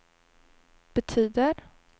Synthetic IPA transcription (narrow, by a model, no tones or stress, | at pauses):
b̥ɛt̪ʰyːd̪əɾ